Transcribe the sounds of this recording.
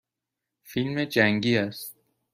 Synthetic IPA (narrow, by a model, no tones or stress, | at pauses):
filmed͡ʒæŋɡiːæst̪̚